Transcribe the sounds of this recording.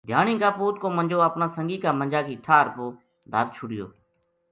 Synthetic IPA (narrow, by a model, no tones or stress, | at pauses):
d̪ʱjaːnĩːkaːpuːt̪kõːmənd͡ʒoːəpnãːsəŋɡiːkaːmənd͡ʒaːkiːʈʰaːɾpoː | d̪ʱə̰ɾt͡ʃʰʊɽɪjo̰ː